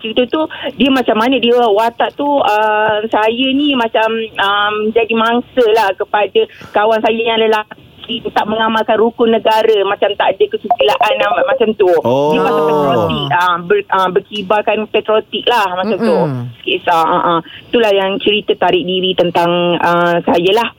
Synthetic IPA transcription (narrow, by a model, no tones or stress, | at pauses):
t͡ʃəɾit̪ət̪udiəmat͡ʃamːanədiəwat̪aʔt̪uəmsajənimat͡ʃaməmd͡ʒadimaŋsəlahkəpadəkawansajəjãadəlah | it̪aʔməŋamalkanrukʊnəɡaɾəmat͡ʃamt̪aʔdəkəsukəlaʔanamat͡ʃamt̪udiəpasapɛt̪ɾɾot̪ik̚əbərəbərkibalkanpɛt̪ɾot̪ik̚lahmat͡ʃamt̪uskisaʔəʔət̪ulahjaŋt͡ʃəɾit̪ət̪aɾɪk̚diɾit̪ənt̪aŋəsajəlah